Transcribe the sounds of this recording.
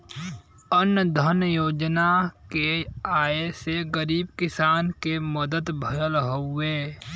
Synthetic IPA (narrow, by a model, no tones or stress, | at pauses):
ənd̪ʱənjoːd͡ʒnakeaːeseɡəɾiːbkɪsaːnkeməd̪əd̪bʱəɾəlɦoẽː